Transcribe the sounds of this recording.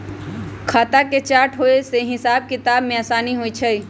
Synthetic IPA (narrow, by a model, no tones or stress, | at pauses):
kʰaːt̪aket͡ʃaːɾʈɦoeseɦɪsaːb̚kɪt̪aːbmẽaːsaːniɦoit͡ʃʰə